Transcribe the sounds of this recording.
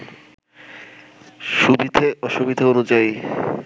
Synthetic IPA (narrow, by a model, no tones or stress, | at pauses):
ʃubid̪ʱeɔʃubid̪ʱeonud͡ʑai